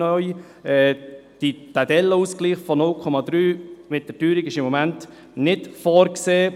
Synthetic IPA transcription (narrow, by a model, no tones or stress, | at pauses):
œʏ | ɛːd̥itædɛlːəuskliːχfɔnʊlkʰɔmɑd̪ɾyːmɪt̚d̥ətyːɾikɪʃɪmːɔmænt | nɪtfɔːɾkseː